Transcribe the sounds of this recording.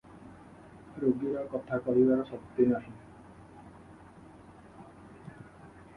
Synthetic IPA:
ɾoɡiɾakɔt̪ʰakɔɾibaɾɔʃɔpt̪ːinaʃi

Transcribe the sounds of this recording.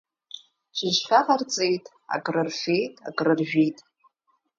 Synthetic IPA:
ʒʷɨʒʷħᶣaqart͡sʼejtʼ | a̰ɡʼrɨrfe̞jtʼa̰ɡʼrɨrʒᶣijtʼ

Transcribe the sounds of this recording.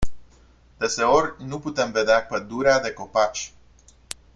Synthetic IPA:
d̪̥e̞se̞o̞rʲnuput̪e̞mve̞d̪eapəd̪uɾead̪e̞ko̞pat͡ʃʲ

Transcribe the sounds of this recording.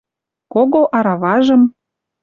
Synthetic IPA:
koɣoʔɑɾɑβɑʒɤ̆m

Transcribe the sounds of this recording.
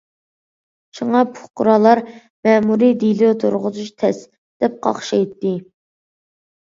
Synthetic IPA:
ʃuŋɑpʰʊ̥χqʊɾɑlˠɑɾ | mɛmuɾid̪ilut̪ʰoɾʁʊzut͡ʃt̪ʰɛs | d̪̥ɛp̚qʰɑ̰χʃɑjt̪ːɪ

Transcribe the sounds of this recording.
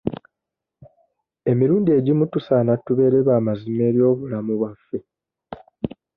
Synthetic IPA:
e̞miɾuːndie̞ɟimutusaːnatːuβe̞ːɾe̞βaːmazime̞ːɾjo̞ːβulamuβwafːe̞

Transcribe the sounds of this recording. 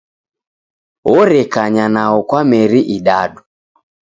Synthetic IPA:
ɔɾɛkaɲanaɔkwamɛɾiʔiɗaɗu

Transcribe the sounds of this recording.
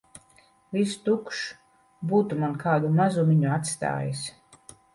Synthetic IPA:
vist̪ukʃ | buːt̪umankaːd̪umazumiɲuat̪st̪a̰ːjis

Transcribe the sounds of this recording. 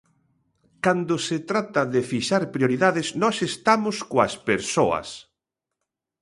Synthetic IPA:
kand̪oset̪ɾat̪ɐðefiʃaɾpɾjoɾiðaðɪsnɔsest̪amoskoɐspeɾsoɐ̰s

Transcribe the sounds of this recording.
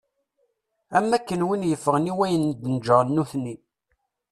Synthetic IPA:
æmːækːənwinjəfːəʁniwæjənd̪ənd͡ʒəʁnːuθni

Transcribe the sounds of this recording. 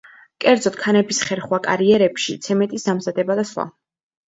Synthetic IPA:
kʼɛɾd̪zɔt̪kʰanɛbisχɛɾχwakʼa̰ɾiɛɾɛpʃḭt̪sʰɛmɛt̪ʼisd̪amzad̪ɛbad̪asχwa̰

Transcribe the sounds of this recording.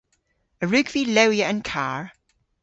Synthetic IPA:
əɹʉɡv̥ilɛwiəə̃nkʰaɹ

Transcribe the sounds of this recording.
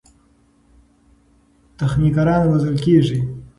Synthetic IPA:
t̪axnikaɾɑːnwazalkeːʐi

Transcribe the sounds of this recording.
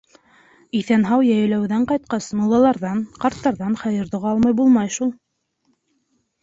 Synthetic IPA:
iθænɦɑwjæjɘ̆læwðæɴqɑjt̪̚qɑsmulˠːɑlˠɑɾðɑnqɑɾt̪ːɑɾðɑnχæjɤ̆ɾðoʁɑlˠmɑjbulˠmɑjʃulˠ

